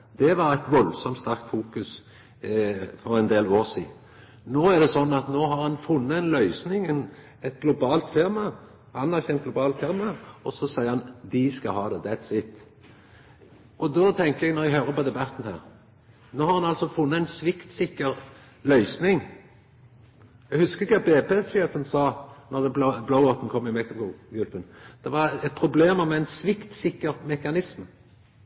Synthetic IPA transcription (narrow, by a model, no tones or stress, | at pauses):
d̪̥ɛʋɑɾæɪt̪ʋɔlsɔmt̪st̪æɾk̚t̪fuːkʉs | fɔɾɛnd̪eːloːʁsiː | noːæʁd̪ɛsɔnːɑt̪noːhɑɾhɑnfʊnːəɛnlœʏsnɪŋɛn | ɛt̪̚ɡlʊbɑːlt̪fɪʁmɑ | hɑnːɑçɛnt̪̚ɡlʊbɑːlt̪fɪʁmɑɔsɔsæɪəhɑnd̪ɪskɑhɑːd̪ɛd̪ɛt̪sɪt̪ː | ʔɔd̪oːt̪ʰɛŋk̪əɛɡnɔʁɛɡɦøːʁəpɔd̪ɛbɑt̪ːn̩hæːʁ | noːhɑʁhɑnɑlsɔfʊnːəæɪnsʋɪkt̪sɪkːəʁ | lœʏsnɪŋ | ɛɡhʉskəʁɪkʰɑbeːpesøːpənsɑːnɔʁd̪ɛblɑʊoːt̪n̩kʰɔmːɪmɛkt̪ɔmɡuɡʉlpənd̪̥ɛʋɑɾɛt̪̚pʰɾʊbleːməmɛæɪnsʋɪkt̪sɪkːəʁmɛkɑnɪsm